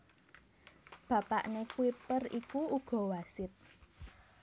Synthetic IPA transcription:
b̥ä̤pa̰ʔnekuipərikuuɡ̥ɔ̤wasɪt̪̚

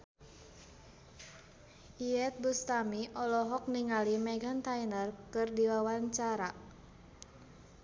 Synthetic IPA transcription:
ʔiɛt̪̚bust̪amiʔɔlɔɦɔk̚niŋalimɛɡant̪ainərkɨrdiwawaɲt͡ʃaɾa

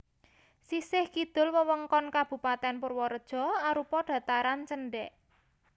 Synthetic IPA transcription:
sisɪhkid̪̥ʊ̤lwəwəŋkɔnkab̥ṳpat̪ɛnpʊrwɔɾəd̥ʒ̥ɔ̤aɾupɔɖ̥ä̤t̪aɾant͡ʃənɖɛʔ

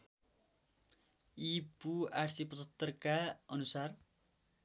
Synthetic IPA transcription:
ipuaʈsipʌt̪ʌt̪ːʌrkaʌnusar

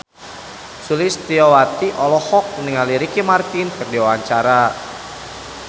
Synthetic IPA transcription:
sulist̪iɔwat̪iʔɔlɔhɔk̚niŋaliɾikimart̪inkɨrdiwawaɲt͡ʃaɾa

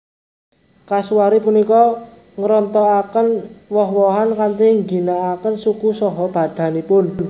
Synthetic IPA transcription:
kasuwaɾipunikɔ | ŋɾɔnt̪ɔakənwɔɦwɔɦankant̪iŋɡinaːkənsukusɔɦɔb̥a̤d̪̥ä̤nipʊn

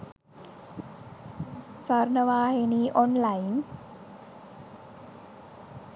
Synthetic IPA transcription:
saɾnawaːheniːʔɔnlajn

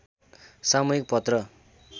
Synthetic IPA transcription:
samuɦik̚pʌt̪rʌ

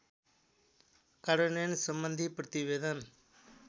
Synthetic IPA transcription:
kaɽənensəmbənd̪ʱipɾət̪iʋeːd̪ən

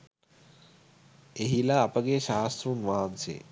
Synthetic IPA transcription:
eɦilaːpəɡeʃaːst̪ɾunʋaɦansḛ

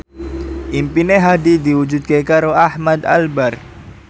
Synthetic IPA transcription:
ʔimpineɦadid̪iwud͡ʒud̪̚kekaɾoahmad̪a̰lbar

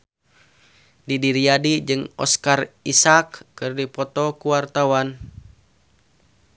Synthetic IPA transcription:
didiɾiadid͡ʒɨŋɔ̰skarisakːɨrdipɔt̪ɔkuwart̪awan

